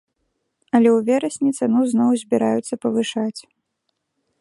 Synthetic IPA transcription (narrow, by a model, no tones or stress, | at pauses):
ɐlʲɛwvʲɛɾɐsʲnʲit̪sɛnuwznɔwzʲbʲiɾajut̪sːɐpɐvɨʂat͡sʲ